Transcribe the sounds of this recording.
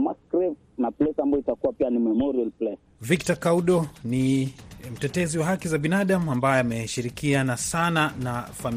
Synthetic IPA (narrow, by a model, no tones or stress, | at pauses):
maskɾif | naplɛsambajɔitakuwapianimɛmɔɾialplɛs | vik̚takauɗɔnim̩tɛtɛziwaɦakizaɓinaɗamuambajɔamɛʃiɾikianasananafam